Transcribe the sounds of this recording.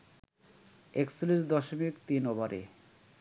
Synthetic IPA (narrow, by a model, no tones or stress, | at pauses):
eksolisd̪ɔʃomikt̪inɔbaɾḛ